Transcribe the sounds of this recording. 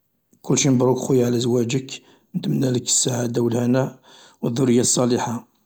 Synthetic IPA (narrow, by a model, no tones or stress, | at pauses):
kʊlːʃinbɾˤukxujːʕlæzwæd͡ʒək | mnt̪əmnæləkːə̥sːaʕad̪awəlhænæ | wəðːʊɾəjːasˤːɑliħa